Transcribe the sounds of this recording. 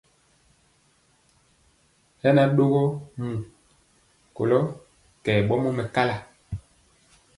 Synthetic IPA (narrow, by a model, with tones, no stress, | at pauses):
hɛ˦na˦ɗo˦ɣo˦mũ˨ | ko̰˨lɔ˦ | kɛ˨ɓɔ˦mo˦mɛ˨ka˦la˨